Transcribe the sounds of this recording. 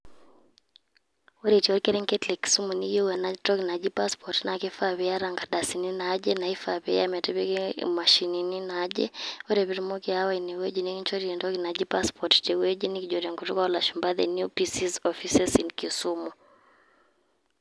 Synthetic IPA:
o˦ɾe˨ti˨ɔ˦ɾke˦ɾe˦ŋke˦tlɛ˨kːi̥˨su˦mu˨ni˦jo˦wɛ˨na˦tɔ˦ki˨na˨d͡ʒi˦pa˦spɔtna˨ke˦fa˦βɛ˨˦ja˦ɾa˨ŋɡa˨da˨si˨ni˦nad͡ʒɛ˦na˨i˦fa˨be˦jamɛ˨tɛ˦be˦ke˦ma˨ʃi˨ni˨ni˦na˦d͡ʒḛ˦o˦ɾe˨βi˦ɾmo˦ki˦a˦wa˦ine˨we˦d͡ʒi˨niki˦ɲt͡ʃo˦ɾie˨ndɔ˦ki˨na˨d͡ʒi˦pa˦spɔtte˨we˦d͡ʒi˦ni˦ki˨d͡ʒo˨ɾe˨ŋkutu˦kwa˦ɔ˦la˨ʃu˨mba˦ðɛ̰˨nju˦pisi˦zɔfi˦sɛ˦si˨nki˨su˦mu˨

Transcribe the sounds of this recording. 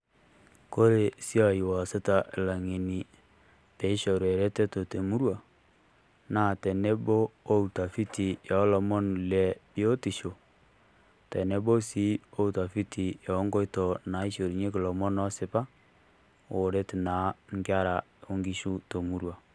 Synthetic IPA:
ko˦ɾe˨si˦a˨ji˨wa˨se˦ta˨ʔɪ˨la˨ŋe˨ni˨ | pe˨i˦ʃo˨ɾwe˨ɾe˦te˦to˨te˨mu˦ɾwa˨ | naː˨te˨ne˦bo˦o˦u˨ta˨fi˦ti˨ja˨˦lɔ˨mɔ˦n˨le˨bi˦o˦ti˨ʃo˨ | te˨ne˦bo˦si˦o˦u˨ta˨fi˦ti˨ja˨˦ŋɡo˦jtɔ˨na˨˦i˦ʃo˨ɾi˨ɲe˦ki˨lɔ˨mɔ˦nɔ˦sɪ˨˦pa˦ | o˨ɾe˦ti˨na˨˦ŋɡja˦ɾa˨o˦ŋɡi˦ʃu˦to˨mu˨˦ɾwa˨

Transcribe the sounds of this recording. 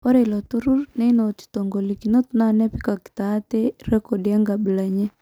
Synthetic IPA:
ɔ˦ɾe˨lɔ˨t̪u˦ɾu˦rnɛ˦i˦no˨ti̥˨to˨ŋɡo˨li˨ki˨no˦t̪na˦˨nɛ˦pi˦ka˨ki̥˨t̪aː˨˦t̪e˦ɾɛ˦kɔ˨dja˦ŋɡa˨bi˨la˨ɲɛ˦

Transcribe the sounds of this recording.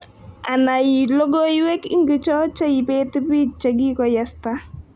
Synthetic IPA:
a˨na˨ji˨lo˦ɡo˦i˦we˦kḭ˦ŋɡi˨˦t͡ʃɔ˦t͡ʃa˦i˨pe˦tɪ˦pi˦t͡ʃa˨ɡi˦kɔ˦ja˦sta˦

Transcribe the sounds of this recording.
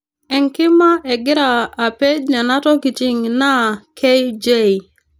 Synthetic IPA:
ɛ˨ŋkɪ˦ma˦ʔɛ˨ɡɪ˦ɾaː˨pe˦d͡ʒna˨na˦tɔ˦ki˨t͡ʃi˦ŋna˦kʰe˦jd͡ʒe˦˨i˨

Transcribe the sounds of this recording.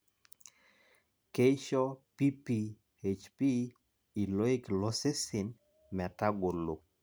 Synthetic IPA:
ke˦jʃɔ˦pi˦pi˨ | e˨t͡ʃpi˦ | i˨lɔ˦i˦klɔ˦se˦sɪ˨n | mɛ˨ta˦ɡo˨lo˨

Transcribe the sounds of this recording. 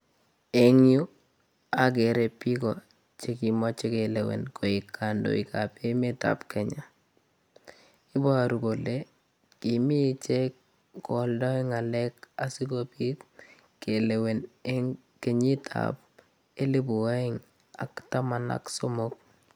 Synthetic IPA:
e˨ŋju˦ | a˨k̬e˨ɾe˨pi˦kɔ˨ | t͡ʃe˨ki˨mɔ˦t͡ʃe˦ke˨le˨wḛ˨nko˨i˨kːa˨ndo̰˨ḭ˨ka˨pe˦me˦ta̰˨pkɛ˨ɲa˨ | ɪ˦ba˦˨ɾu˨ko˨le˦ | ki˨mi˦˨t͡ʃe˦k | kɔ˨ldɔ˦i˦ŋa˨lɛ˦ka˦si˦kopi˦k | kːe˨le˨we˨neŋ | ke˨ɲi˦tʰa̰p̚ | e˦le˦bu˨wa˦ɪ˦ŋ | a̰˨kta˦ma˨na̰kso˦mo˦k̚

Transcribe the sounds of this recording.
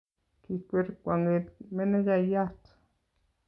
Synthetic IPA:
ki˨kʷe˦ɾkwʷa˨ŋe˨tmɛ˦nɛ˦d͡ʒa˨ja˦t

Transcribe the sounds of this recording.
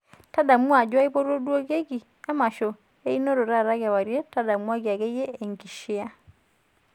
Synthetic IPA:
ta˦da˨mu˦a˨d͡ʒwa˦i˦po˦ɾo˦dwo˦ke˦ɡi˨ | a˦ma˨ʃo˨ | e˦i˦no˦ɾo˨ɾa˦˨ɾa˦ɣa˨wa˨ɾje˦ta˦da˨mu˦a˦ɡja˨ɡe˦jeː˦˨ŋki˨ʃɪ˦a˦

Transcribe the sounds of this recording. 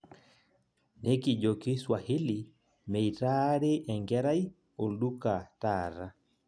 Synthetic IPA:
ne˦ki˨ʄo˨ki˦swa˨hi˦li˨ | mɛ˨i˨ta˦ɾe˦ʔɛ˨ŋɡɛ˦ɾa˦i˦ | o˨lɗu˦ka˨taːɾa˦

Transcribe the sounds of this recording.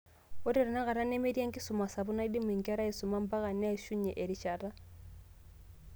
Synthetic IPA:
ʊ˦tɛ˨ɾɛ˨na˦ka˨ɾa˦ne˦me˦ɾja˦ŋ̩kɪ˦sʊ˨ma˨sa˨bʊ˦na˦i˦di˦mi˨ŋ̩˨kɾa˦i˨sʊ˨ma˦m̩˦pa˦ɣa˨nɛ˦˨ʃu˦ɲɛ˨ʔe˨ɾi˨ʃa˨ta˦

